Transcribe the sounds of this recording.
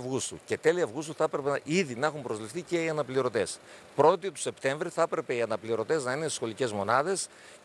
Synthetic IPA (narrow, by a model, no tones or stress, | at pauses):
vɣust̪ṵce̞t̪e̞liɐvɣust̪uθɐpɾe̞peiðinɐxumpɾo̞zlifθice̞iɐnɐpliɾo̞t̪e̞s | pɾo̞t̪it̪u̥se̞pt̪e̞ɱvɾiθɐpɾe̞pe̞iɐnɐpliɾo̞t̪e̞znɐinesxo̞lice̞zmo̞nɐðe̞s